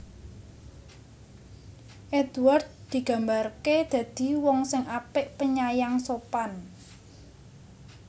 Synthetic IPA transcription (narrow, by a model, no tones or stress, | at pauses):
ʔed̪uard̪̚d̪̥i̤ɡ̥a̤mbarked̪̥ä̤d̪̥i̤wɔŋsɪŋʔapɪʔpəɲajaŋsopan